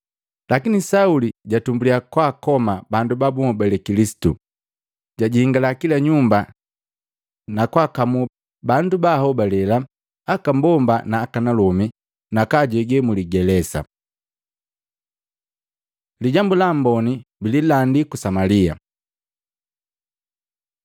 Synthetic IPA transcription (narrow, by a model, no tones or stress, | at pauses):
lakinisauliɟatumbuliakwakɔmabandubabumɔbɛlɛkilisi̥tṵ | ɟaɟihiŋɡalakilaɲumba | nakwakamu | bandubahɔbalɛla | akambɔmbanaːkanalɔmi | nakaɟɛɡɛmuliɡɛlɛsa̰ | liɟambulambɔnibililandikusamalia̰